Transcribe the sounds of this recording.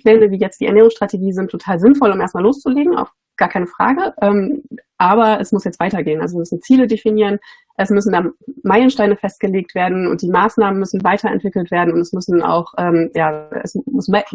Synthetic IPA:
plɛːnəviːjɛt͡std̥iːʔɛɐneːʁ̞ʊŋsʃtʁ̥atʰeɡiːzɪntʰːotʰaːlzɪnfɔlʊmʔeːɐstmaːloːst͡suleːɡŋ̩a̰ʊf | ɡ̥aːɐkʰaɪnəfʁ̥a̰ːɡəʔɛːmʔaːbɐɛsmʊsjɛt͡stv̥aɪtɐɡeːənʔa̰lzoviɐmʏsn̩t͡siːlədefiniːʁən | ʔɛsmʏsn̩daːmaɪlənʃtaɪnəfɛst̚ɡ̥əleːk̚tv̥eːɐdn̩ʊ̰nt̚d̥iːmaːsnaːmənmʏsn̩vaɪtʰɐɛ̰ntv̥ɪkl̩tv̥eːɐdn̩ʊntɛsmʏsn̩a̰ʊxʔɛːmja̰ːɛ̰smʊsm

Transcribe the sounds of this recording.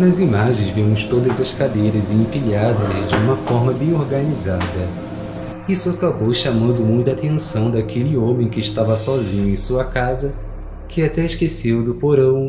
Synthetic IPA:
nɐzimaʒẽj̃zvimʊst̪od̪ɐzɐskad̪ejɾɐzẽfiʎad̪ɐzd͡ʒɪũmɐfɔɾmɐbẽj̃oɾɡɐnizad̪ɐ | isʊakabowʃamɐ̃nd̪ʊmũj̃t̪at̪ẽsɐ̃w̃d̪akʰelɪõmẽj̃kɪːʃt̪avɐsɔzĩɲʊẽj̃suɐkazɐ | kʰɪat̪ɛɪʃkesewd̪ʊpoɾɐ̃w̃

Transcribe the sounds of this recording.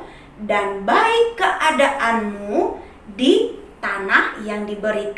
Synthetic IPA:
danbaɪkːəʔadaʔanmu | dit̪anahjaŋdibəɾit̪

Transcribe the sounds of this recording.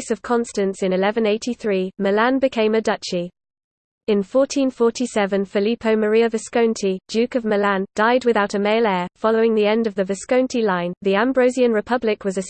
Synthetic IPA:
səv̥kʰɒ̃nstə̃nsɪ̃nɪlɛvə̃neɪtʰiθɹiːməlãnbɪkʰẽɪ̃mədʌt͡ʃi | ɪ̃nfɔˑtʰĩnfɔˑtʰisɛvə̃nfɪliˑpʰəʊməɹiəvəskə̃ʊ̃ntʰi̥d͡ʒʉˑkəvməlãnd̥aɪd̚wɪðaʊtəmeɪlɛːfɒləʊɪ̃ŋðiɛ̃ndəvðəvəskə̃ʊ̃ntʰilãɪ̃nðiãmbɹəʊziə̃nɹɪpʰʌblɪkwɒzəs

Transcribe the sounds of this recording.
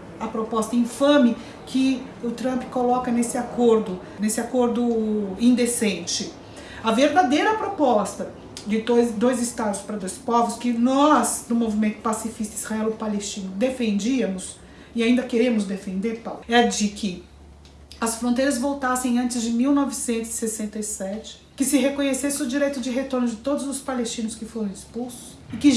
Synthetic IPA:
ɐpɾopɔst̪ɐĩfɐ̃mɪ | kʰɪ | ʊt̪ɾɐ̃mpkolɔkɐnesɪakʰoɾd̪ʊ | nesɪakoɾd̪ʊĩnd̪esẽt͡ʃɪ | ɐveɾd̪ad̪ejɾɐpɾopɔst̪ɐ | d͡ʒɪd̪ojzd̪ojzɪst̪ad̪ʊspɾɐd̪ojspɔvʊskɪnɔzd̪ʊmovimẽnt̪ʊ̥pasifist̪ɐiz̥haɛwʊpalest͡ʃĩnʊd̪efẽnd͡ʒiɐmʊs | ɪaĩd̪ɐkeɾẽmʊzd̪efẽnd̪eɾpawɛɾɐd͡ʒɪkʰɪ | ɐsfɾõnt̪ejɾɐzvowt̪asẽj̃ɐ̃t͡ʃɪzd͡ʒɪmiwnɔvɪsẽnt̪ʊzɪ̥sesẽnt̪ɐisɛt͡ʃɪ̥ | kɪsɪɦekõɲesesɪʊd͡ʒiɾejt̪ʊd͡ʒɪɦet̪oɾnʊd͡ʒɪt̪od̪ʊzʊspalest͡ʃĩnʊskɪfoɾɐ̃w̃ɪspulsʊ̥sɪkɪ

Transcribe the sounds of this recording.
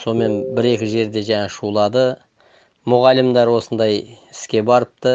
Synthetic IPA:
so̞me̞nbɪɾe̞kʲɪʒe̞ɾd̪e̞ʒɑŋɑʃulˠɑd̪ə | mʊʁɑlːɪmd̪ɑɾwo̞sənd̪ɑjɪskʲe̞bɑɾəp̚t̪ə

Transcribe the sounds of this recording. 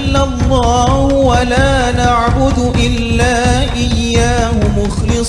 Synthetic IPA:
lːalˤːɑːhʊwalaːnaʕbʊd̪ʔɪlːaːʔɪjːaːhʊmʊxlɨs

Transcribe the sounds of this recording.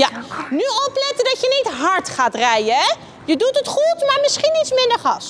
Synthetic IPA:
anyɔplɛtədɑtjənitɦɑɹtχaːtrɛjəɛ | jədutətχutmaːɹmɪsχinitsmɪndəɹχɑs

